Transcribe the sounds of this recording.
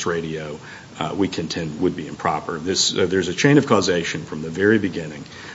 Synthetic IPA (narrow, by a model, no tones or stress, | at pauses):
sɹeɪɾioʊ | wikʰɨ̃ntʰɛ̃nt̚wəd̚biɨ̃mpʰɹ̥ɑpə˞ðɪsðə˞zɨt͡ʃʰẽɪ̃ñʌv̥kʰɔzeɪʃɨ̃nfɹʌ̃mðɨvɛɹibɨɡɪ̃nɪ̃ŋ